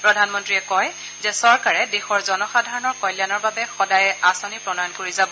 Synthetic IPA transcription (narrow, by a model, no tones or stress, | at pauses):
pɹɔdʱanmɔntɹiɛkɔj | zɛsɔɹkaɹɛdexɔɹzɔnɔxadʱaɹɔnɔɹkɔjljanɔɹbabɛxɔdajɛʔasɔnipɹɔnɔjɔnkoɹizabɔ